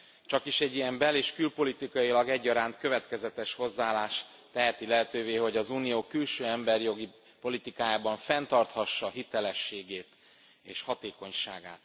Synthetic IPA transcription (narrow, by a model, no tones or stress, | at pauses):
t͡ʃɒkiʃɛɟːijɛmbɛleːʃkylpo̞lit̪ikɒjilɒɡɛɟːɒɾaːnt̪køvɛt̪kɛzɛt̪ɛʃho̞zːaːlaːʃ | t̪ɛɦɛt̪ilɛɦɛt̪øːveːɦo̞ɟɒzuːnijoːkylʃøːɛmbɛrjo̞ɡi | po̞lit̪ikaːjaːbɒɱfɛnt̪ɒrt̪hɒʃːɒɦit̪ɛlɛʃːeːɡeːt̪ | eːʃhɒt̪eːko̞ɲʃa̰ːɡa̰ːt̪